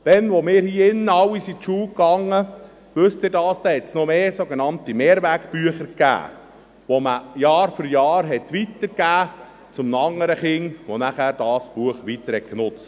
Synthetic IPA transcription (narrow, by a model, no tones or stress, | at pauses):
d̥ɛnʋomɪːɾhiːɪnːəɑwisit̪ʃuːkɑŋːə | ʋɵst̪ɪɾdɑːsd̥̪ɛhɛtsnomeːsoɡenɑnt̪imeːɾʋækpyəχəɾkæ̰ː | ʋoməjɑːɾfʏɾjɑːɾɦɛt̪ʋit̪əɾɡæː | t͡sʊmnɑŋəɾəχɪŋʋonæχæːɾd̥ɑːsb̥uəχʋit̪əɾhɛt̚knʊt͡st